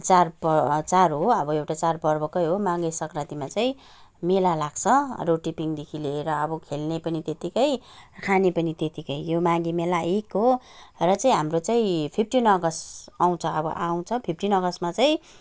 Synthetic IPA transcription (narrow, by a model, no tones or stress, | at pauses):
t͡sarpʌt͡sarɦoʌbʌewʈat͡sarpʌrbʌkʌjɦomãŋɡesʌkrat̪imat͡saĩ | melalaɡt͡sʰʌroʈipiŋd̪ekʰileɾʌːbʌkʰelnepʌnit̪et̪ikʌjkʰanepʌnit̪et̪ikʌjjomãɡimelaʔekɦo | rʌt͡saĩɦamrot͡saĩpʰipʰʈinʌɡʌsaw̃t͡sʰʌʌbʌ̰ʔaw̃t͡sʰʌpʰip̚ʰʈinʌɡʌsmat͡saĩ